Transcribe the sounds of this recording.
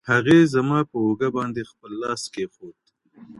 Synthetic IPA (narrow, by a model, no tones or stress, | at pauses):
haɣezamɑːpəoɡabɑːnd̪expəlːɑːskexot̪